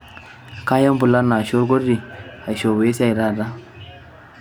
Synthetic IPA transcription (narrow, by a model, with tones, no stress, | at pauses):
ka˦ja˦mbu˨la˦na˨ʃo˦ɾɡo˦di˨a˨jʃo˨we˦sa˨i˨ɾa˦˨da˦